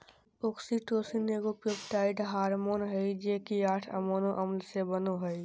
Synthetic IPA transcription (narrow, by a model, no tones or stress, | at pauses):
oːksiʈoːsineːɡopuːpʈaːɪʈɦaːɾmoːnɦɛid͡ʒeːkiaːʈʰə̰moːnõʔɐmlsebənoɦəi